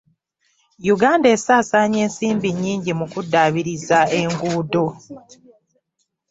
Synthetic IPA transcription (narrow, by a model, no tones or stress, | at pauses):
juɡaːndesaːsaɲe̞ːnsiːmbiɲːiːɲɟimukudːaːβiɾizae̞ŋɡuːdo̞